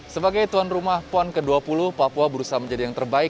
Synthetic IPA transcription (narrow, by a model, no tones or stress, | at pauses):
səbaɡajt̪uanrumahpɔnkəduapulʊhpapuabəɾusaɦaməɲd͡ʒadijaŋt̪ərbaɪk